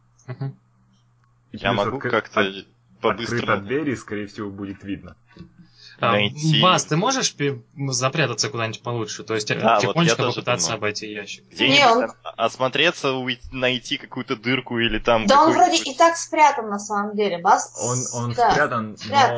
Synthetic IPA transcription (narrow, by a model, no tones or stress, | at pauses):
m̩ɦm̩ | ja̰mɐɡukakt̪ə | pɐbɨsɨɾəɐd̪vʲeɾʲɪskɐɾʲejɪfsʲɪvobudʲɪt̪vʲid̪̚nə | nɐjʲibast̪ɨmo̞ʐɨʂpʲɪzɐpɾʲat̪ət̪səkʊd̪anʲt̚ʲpɐlˠut͡ʃʂɨt̪o̞ɪsʲt̪ʲavʲɪtoɲʲɪt͡ɕkəpəɨt̪at̪sːəɐbɐjtʲijæɕːɪ̥kə̥ɡdʲenʲeonɐsmɐt̪ɾʲet̪səʊjnɐjtʲikɐkujʊt̪əd̪ɨrkʊilʲɪt̪amd̪aonvɾodʲɪɪt̪akspɾʲat̪ənːɐsaməmdʲelʲɪbasonnonsd̪aɾʲat̪ənspɾʲa